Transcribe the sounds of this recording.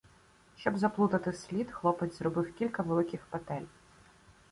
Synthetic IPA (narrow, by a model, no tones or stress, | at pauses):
ʃt͡ʃɔbzɐplˠut̪ɐt̪ɪsʲlʲid̪xlˠɔpɛd̪zʲzrɔbɪwkʲilʲkɐʋelˠɪkʲɪxpɛt̪ɛlʲ